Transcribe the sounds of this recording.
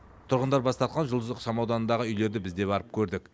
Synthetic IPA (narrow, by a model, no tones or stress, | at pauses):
t̪ʰʊɾʁənd̪ɑɾbɑst̪ɑɾt̪̚qɑnʒʊlˠd̪əzəqʃɑmɑwd̪ɑnənd̪ɑʁəʏjle̞ɾd̪ɪbɪzd̪e̞bɑɾəp̚kʲʰɵɾd̪ɪk